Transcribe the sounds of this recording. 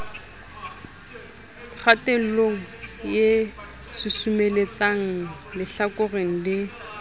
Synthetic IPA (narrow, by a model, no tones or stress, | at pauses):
χateloŋ̩je | sɪsumelet͡saŋ̩lɪɬakʊreŋ̩lɪ